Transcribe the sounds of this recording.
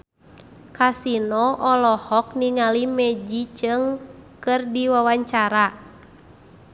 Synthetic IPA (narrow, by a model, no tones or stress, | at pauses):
kasinɔʔɔlɔhɔk̚niŋalimɛd͡ʒit͡ʃɨŋkɨrdiwawaɲt͡ʃaɾa